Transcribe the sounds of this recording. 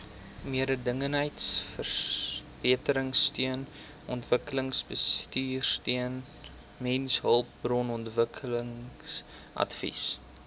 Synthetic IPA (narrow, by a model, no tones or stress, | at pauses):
miəɾədəŋənɦəjtsfərb̥iətəɾəŋstyən | ʔɔntvəkələŋsbəstyːrstiən | mɛnsɦəlˠp̚brɔnɔntvəkʰələŋs | ʔɐ̰tfḭs